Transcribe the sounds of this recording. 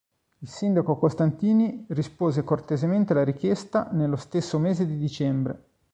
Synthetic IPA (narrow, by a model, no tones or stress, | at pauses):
ilsind̪akokost̪ant̪iːnirispoːzekort̪ezement̪elaɾik̟jɛst̪anelːost̪esːomeːzed̪id̪it͡ʃɛmbɾḛ